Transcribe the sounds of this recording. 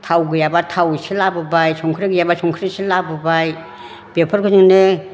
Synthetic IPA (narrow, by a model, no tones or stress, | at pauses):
tʰawɡɯjabatʰawselabɯbajsʰɔŋkʰɾeɡɯjabasʰɔŋkʰɾisilabɯbaj | b̥epʰɔɾkʰɯzɯŋnɯ